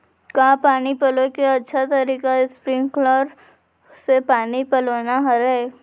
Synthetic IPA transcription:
kaːpaːnipɐlõkeɐtːʃʰat̪ɐɾiːkaɪspɾɪ̃ŋɡklɔːɾ | sepaːnipɐloːnaɦɐɾɛː

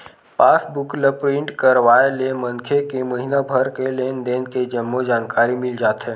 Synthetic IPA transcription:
paːsbʊkləpɾɪ̃ɳʈkəɾʋaːelemə̃nkʰekemɐɦinabʱəɾkeleːnd̪eːnked͡ʒəmːod͡ʒaːnkaːɾimɪld͡ʒaːt̪ɦɛ̃ː

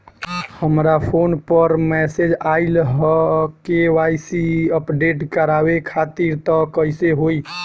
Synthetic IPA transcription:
həmɾapʰoːnpəɾmɛsed͡ʒaɪlɦkeʋajsiəpɖeʈkəɾawekʰat̪iɾt̪ɔkəiseɦoi

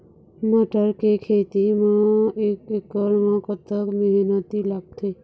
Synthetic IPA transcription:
məʈəɾkekʰet̪imãekekːəɾmãkət̪ːəkmeɦinət̪ilaɡ̚t̪ʰe

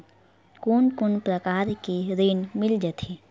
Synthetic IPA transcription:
kunkʊnpɾəkaːɾkiɾeːnmɪld͡ʒət̪ʰeː

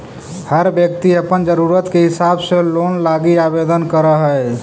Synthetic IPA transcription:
həɾbjəkt̪iəpənd͡ʒəɾuɾət̪keɦɪsabsəlonlaɡiabed̪ənkəɾəɦə

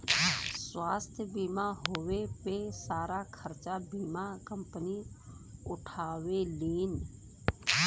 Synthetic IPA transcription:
swaːst̪ʰjəbiːmaɦoːwepesaːɾakʰəɾt͡ʃabiːmakə̃mpəni | ʊʈʰaːweleːn

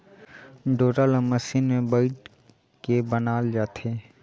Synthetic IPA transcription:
ɖoːʈaləməʃiːnmẽbaɪʈ | kebənaːld͡ʒaːt̪ʰeː

